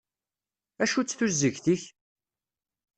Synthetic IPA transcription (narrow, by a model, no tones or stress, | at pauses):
æʃut͡sːθuɾzəʝθiç